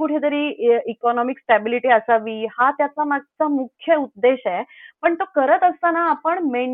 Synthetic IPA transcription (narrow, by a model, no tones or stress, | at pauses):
kuʈʰet̪əɾiikɔnɔmiksʈɛbiliʈiəsaʋiːhat̪jat͡samaɡ̚t͡samukʰjəut̪̚d̪eɕɛpəɳt̪okəɾət̪əst̪anaːpəɳme